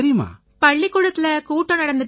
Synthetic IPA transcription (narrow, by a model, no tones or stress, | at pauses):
ɾɪjɐma̰ː | pɐɭːikːuɻɐt̪ːɪlɐkuːʈːõnɐɽɐnd̪ɯʈ